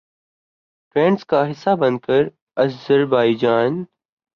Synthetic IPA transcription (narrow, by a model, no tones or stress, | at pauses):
fɾẽːɳɖskaːɦɪsːabə̃nd̪̚kəɾ | əzəɾbaːɪd͡ʒaːn